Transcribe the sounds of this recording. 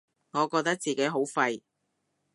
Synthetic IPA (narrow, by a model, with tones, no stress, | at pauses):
ŋɔː˨˧kɔː˧k̚t̪ɐ˥k̚t͡siː˨ke˨˥jɦo˨˥wfɐ˧j